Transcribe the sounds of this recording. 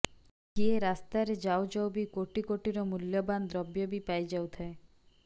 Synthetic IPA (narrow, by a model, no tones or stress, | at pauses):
ɡieɾast̪aɾed͡ʒaod͡ʒawbikoʈikoʈiɾɔmuljɔband̪ɾɔbjɔbipajd͡ʒawt̪ʰae